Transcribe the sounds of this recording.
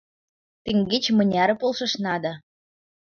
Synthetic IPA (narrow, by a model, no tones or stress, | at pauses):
t̪eŋɡet͡ɕmɤ̆nʲɑɾɤ̆polˠʃɤ̆ʃnɑd̪ɑ